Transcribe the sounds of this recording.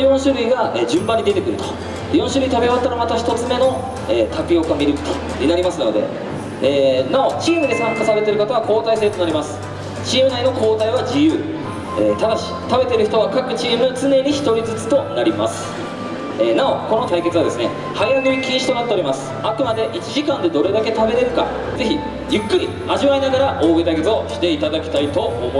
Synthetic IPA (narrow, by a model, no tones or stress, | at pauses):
jõ̞ɰ̃ɕɨɾɯ̟iɡaed͡ʑɨ̃mbaɲ̟ːid̪e̞t̪e̞kɯ̟ɾɯ̟t̪o̥ | jõ̞ɰ̃ɕɨɾɯ̟it̪abeβat̪ːaɾomat̪oçi̥t̪o̞t͡sɨme̞no̞ | eːt̪akɯ̟jo̞kɯamʲiɾɯ̟ki̥t̪o̥ | ɲʲinaɾʲimasɨno̞d̪e̞̰ | eːnao̞t͡ɕiːmɯ̟d̪e̞sãŋkasaɾe̞t̪eɾɯ̟kot̪oβakʰo̞ːt̪aiseɾɯt̪o̞naɾʲimasɨ̥ | t͡ɕiːmɯ̟naino̞kʰo̞ːt̪aiβad͡ʑijɯː | ḛːt̪ad̪aɕi̥t̪abe̞t̪e̞ɾɯ̟çi̥t̪o̞β̞akakɯ̟t͡ɕiːmɯ̟t͡sɨne̞ɲ̟içi̥t̪o̞ɾʲid͡zɨt͡sɨ̥t̪o̞naɾʲima̰sɨ̥ | enao̞ko̞no̞t̪aike̞t͡sɨɯad̪e̞sɨne̞̰ | hajaɡɯikʲĩːɕi̥t̪o̞nat̪ːe̞o̞ɾʲimasɨ̥akɯ̟mad̪e̞ʔit͡ɕiʑikãnd̪e̞d̪o̞ɾe̞d̪ake̞t̪abe̞ɾe̞ɾɯ̟ka̰ | d͡ze̞çi | jɯ̟kːɯ̟ɾʲi | aʑiβainaɡaɾaʔo̞ːɡed̪aɡezoɕi̥t̪e̞it̪ad̪akʲi̥t̪ait̪o̞omo